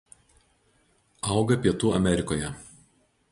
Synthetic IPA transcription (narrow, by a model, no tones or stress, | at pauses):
ɐˑʊɡɐpʲiɛt̪uːɐmʲɛˑɾʲɪkoːjɛ